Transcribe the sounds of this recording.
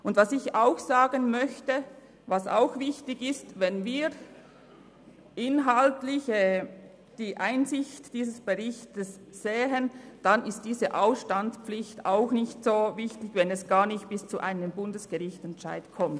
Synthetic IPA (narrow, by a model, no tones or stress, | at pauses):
ʔʊndvasɪçaʊxsaːɡənmœçtə | vasa̰ʊxvɪçtɪɡɪstvɛnviːʁ | ʔɪnɦaltlɪçɛː | d̥iːʔaɪnzɪçtd̥iːzəsb̥əʁɪçtəsz̥eːɦənd̥anɪst̚d̥iːzəʔaʊsʃtant͡spp͡flɪçtaʊxnɪçtsoːvɪçtɪçvɛnɛsɡ̥aːnɪçt̚b̥ɪst͡suʔaɪnəmbʊndəsɡ̥əʁɪçtɛntʃa̰ɪtkʰɔmt